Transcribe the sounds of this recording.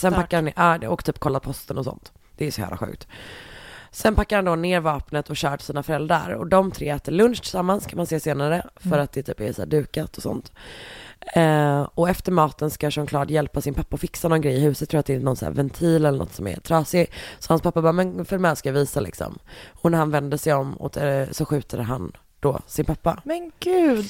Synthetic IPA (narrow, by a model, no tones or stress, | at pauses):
sɛnpʰakːaɾhanʔɑːɔkt̪ʰyːp̚kʰɔlːat̪̚pʰɔst̪ənɔsɔ̰nt̪ | d̪̥ɛæɾsɔæ̰ːvla̰ɧʉ̟ːk̚t̪ | sɛnpʰakːaɾhand̪ɔneːɾvɑːpnət̪ʰɔɕœːʈsiːnafœɾɛld̪ɾa̰ɾɔ̰d̪ɔmt̪ʰɾḛːɛːt̪əɾɭɵnʂt̪ʰɪ̥samːanskʰamanseːseːnaɾəfœɾat̪̚d̪ɛt̪ʰy̰ːpɛsæ̰ːɖʉ̟ːkat̪ʰɔsɔ̰nt̪ | ɔɛft̪əɾmɑːt̪ənskaʂɔnkʰlɑːd̪jɛlpasɪnpʰapːaɔfɪksanɔnɡɾɛjɪhʉ̟ːsət̪ʰːuːat̪d̪ɛɪnnɔnsæ̰ːɾvɛnt̪ʰiːlɛlːənʔɔ̰t̪ːsɔmɛ̰ɾt̪ʰɾɑːsɪsɔhanspʰapːabɑːmɛnfœɾmɛanskajaviːsalɪ̰ksɔ̰mɔnæɾhanvɛnd̪əʂɛjɔmɔ̰t̪sɔɧʉ̟ːt̪ʰad̪əɦa̰n | d̪̥ɔ̰sɪnpʰapːa̰mɛnɡ̥ʉːd̪